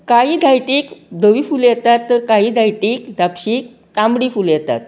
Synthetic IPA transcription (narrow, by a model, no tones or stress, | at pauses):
kaɦiːd̪ʱajʈiːkd̪ʱəʋifuljɛt̪at̪ːəɾkaɦiːd̪ʱajʈiːkd̪apɕiːk̚ | t̪ãmbɽiːfuljɛt̪a̰t̪̚